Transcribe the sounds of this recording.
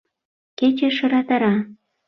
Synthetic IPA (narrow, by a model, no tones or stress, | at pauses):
ket͡ɕeʃɤ̆ɾɑt̪əɾɑ